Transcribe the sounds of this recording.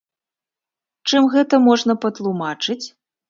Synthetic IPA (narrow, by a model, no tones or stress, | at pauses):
t͡ʂɨmɣɛt̪ɐmɔʐnɐpɐt̪lˠumat͡ʂɨt͡sʲ